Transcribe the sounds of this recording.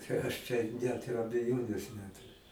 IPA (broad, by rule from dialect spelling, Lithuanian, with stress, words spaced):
t͡ʃʲɛ ˈɐʃ t͡ʃʲɛ ˈnʲɛt ɪr ɐbʲɛˈjoːnʲeːs ˈnʲæːtʊrʲʊ